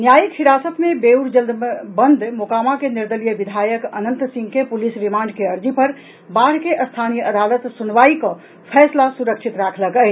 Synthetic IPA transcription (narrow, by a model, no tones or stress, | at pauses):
njajikhiɾasət̪mebeuɾd͡ʒəld̪bənd̪ʱmokaːmakeniɾd̪əlijəbid̪ʱajəkənənt̪sĩŋɡkepulisɾimaːɳɖ̚keəɾd͡ʒipəɾ | baɽ̤keʔəst̪ʰanijəʔəd̪alət̪sunʋaikɔ̃ | pʰɛːslasuɾəkʃʰit̪ɾakʰləkət͡ʃ